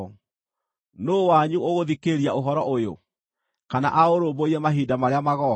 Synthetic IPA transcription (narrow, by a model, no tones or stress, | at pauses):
noːwaɲuoɣoðikeɾiaoɦɔɾɔʔojo̰ | kana̰ʔaoɾoːboiɾɛmaɦidamaɾeamaɣɔ